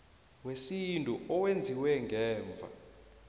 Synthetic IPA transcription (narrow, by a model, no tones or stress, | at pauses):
wesintʼuʔɔwend͡zʱiwɛŋɡʱɛːɱb̪vʱa̰